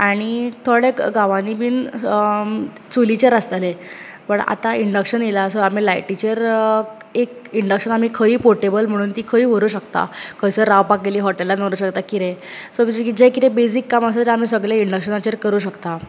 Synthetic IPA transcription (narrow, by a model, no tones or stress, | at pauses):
aɽ̃it̪ʰoɽeɡaʋãnimiːn | t͡sulit͡ɕəɾəst̪ale | pəɳa̰t̪aiɳɖəkɕənjelasoam̤iːlajʈit͡ɕəɾ | ekiɳɖəkɕənam̤iːkʰəiːpoɾʈebəlm̤əɽ̃uːnt̪iːkʰəiːʋoɾuːɕəkt̪a̰kʰəjsəɾaʋpak̚ɡeliːɦɔʈelːanəɾuːɕəkt̪akiɾẽsod͡ʑd͡ʑekit̪ɛ̃besikːaməsat̪eam̤iːsəɡɭeiɳɖəkɕənat͡ɕəɾkəɾuːɕəkt̪a